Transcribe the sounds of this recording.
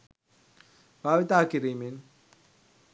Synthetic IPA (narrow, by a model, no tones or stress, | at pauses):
bʱaːʋit̪aːkiɾimin